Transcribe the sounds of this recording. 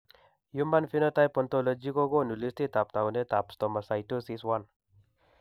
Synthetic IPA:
jumba˦nfi˦nə˦t̪ajpɔ˨nt̪olə˦d͡ʒi˦ko˦ɡo˦nu˨li˦st̪i˦t̪a˨p̚t̪a˨wne˦t̪a˨pst̪ɔ˨ma˨sajtosiswan

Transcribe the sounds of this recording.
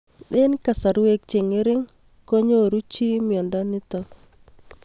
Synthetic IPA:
ɗɪ˦nka˨sa˨ɾu˦we˦k̚t͡ʃe˨ŋɪ˦ɾɪ˦ŋ | ko˦ɲo˦˨ɾu˦t͡ʃi˦mjɔ˨nda˦nɪ˦tɔ˦

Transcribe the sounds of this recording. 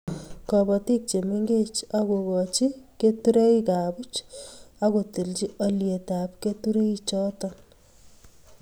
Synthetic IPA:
kɔ˨bɔ˨ti˦k̚t͡ʃe˨me˦ŋɡe˦t͡ʃako˨kɔt͡ʃi˦ke˦tu˦ɾe˦ika˨bu˦t͡ʃako˨ti˨lt͡ʃi˦ɔ˨lje˨tap̚ke˦tu˦ɾe˦it͡ʃɔ˦tɔ

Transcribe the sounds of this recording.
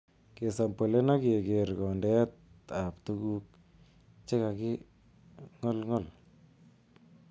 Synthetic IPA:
ke˨sa˨mpə˨le˦na˦ke˨ke˨rkɔ˨ndɛ˦t̚a˨ptu˦ku˦k̚ | t͡ʃe˦ka˨kɪ˦ | ŋɔ˦lŋɔ˦˨l

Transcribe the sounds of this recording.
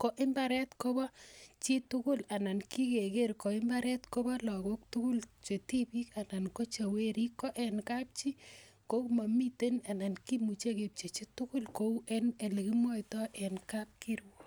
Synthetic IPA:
ko˨ʔɪ˦mba˨ɾɛ˦tko˦bɔ˦t͡ʃi˦tʊ˦kʊ˦la˨na˨nki˦ke˨ke˦ɾko˨ɪ˦mba˦ɾɛ˦tko˦bɔ˦lɔ˨ɡo˦k̚tʊ˦kʊ˦lt͡ʃe˨ti˦bi˦ka˨na˨nko˦t͡ʃa˨we˦ɾi˦kːɔ˦ʔɛ˨nka˦p̚t͡ʃi˦ | ko˦kma˨mi˦te˦na˨na˨nki˦mu˨t͡ʃe˦ke˨p̚t͡ʃe˨t͡ʃi˦tʊ˦kʊ˦lko˦u˦ʔɛnɛ˨le˨ki˦mwɔ˦jtɔ˦ʔɛ˨nka˦p̚ki˦ɾwɔ˦

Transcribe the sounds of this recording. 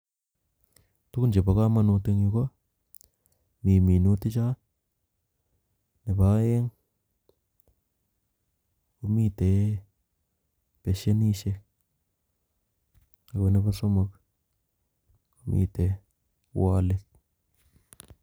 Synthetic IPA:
t̪u˦ku˦nd͡ʒe˨ba˨ka˦ma˧nu˧t̪e˧ŋi˧ka˦ | mi˨mi˨nu˧˦t̪e˦t͡ʃa˦ | ne˨ba˦e˦ŋ | ku˧mi˦t̪e˨ | pe˨ʃe˦ni˦ʃe˧ | e˨ɡe˧ne˧ba˦so˦ma˧k | ku˧mḭ˧t̪e˨ | wa˧le˨t̪

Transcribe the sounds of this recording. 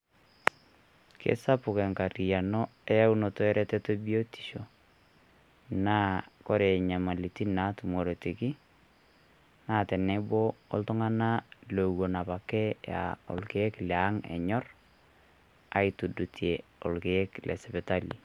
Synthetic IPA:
kʰḛ˦sa˦pʊ˨ke˨ŋka˨ɾi˨ja˨nɔ˦ɛ˦ja˦u˦no˨to˦ɛ˦ɾɛ˦tɛ˦to˦bi˦o˦ti̥˨ʃo˨ | naː˦kɔ˦ɾe˨ɲa˨ma˨li˨ti˦na˨˦tu˨mo˨ɾe˨ti˨ki˦ | na˦tɛ˨nɛ˦bɔ̰ː˦ltʊ˦ŋa˦na˦lo˨wo˨na˨pa˨kɛ˦ja̰˨o̰˨lke˦ɛ˦klɛ˨a˦ŋɛ̰˨ɲɔ˦r | a˨itu˨dutʰie˨o˨lke˨ɛ˦klʔɛ̰˨sɛ˨pɛ˨ta˦li˨

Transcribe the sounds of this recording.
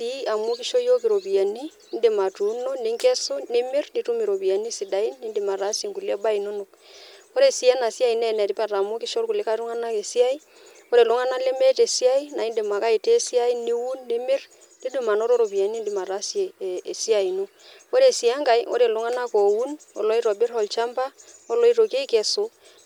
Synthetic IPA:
ti˨˦a˨mu˦ki˦ʃo˦jo˦ki˨ɾo˨bi˨a˨ni˦nde˨ma˨tu˨˦nɔ˦ne˦ŋkɛ˦su˦ne˦mɪ˦rni˨˦tu˦mi˨ɾo˨pi˨a˨ni˦si˨da˨i˦nːi˦ndɪ˨ma˨ɾa˨˦sje˨ŋɡu˨le˦ba˦i˨no˦no˨ | o˦ɾe˨si˦ɛ˦na˨si˦a˦i˨nɛ˦˨nɛ˨ɾi˦pɛ˦ra˨mo˦ki˦ʃo˦lku˨lɪ˦ka˦ɾu˦ŋa˦na˦ke˨si˦a˦i˦ | o˦ɾe˨lʊ˦ŋa˦na˦le˦me˦te˨si˦a˦i˦na˨i˦nde˨ma˨ka˦i˨te˦si˦a˦i˦ni˦wu˦nːe˦mɪ˦r | ni˦du˨ma˨no˦ɾo˦ɾo˨bi˨a˨˦ni˦ndi˨ma˨ɾa˦sje˨e˨si˦a˨i˨nu˦ | o˦ɾe˨si˨a˦ŋka˨jo̰˦ɾe˨lʊ˨˦ŋa˦na˦ko˨wu˦nɔ̰˨lɔ˦i˦ɾo˨bɪ˦ɾɔ˨lt͡ʃa˦mba˦ɔ˦lɔ˦i˦ɾo˨ke˦i˦ke˨sʊ˦

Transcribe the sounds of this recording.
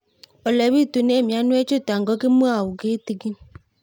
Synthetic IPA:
ɔ˨lɛ˨βi˦tu˨ne˦˨mja˨˦nwe˦t͡ʃo˦˨ta˨ŋɡɔ˦ke˦mwa˦˨wu˨ɡe˦ti˨ɡi˦

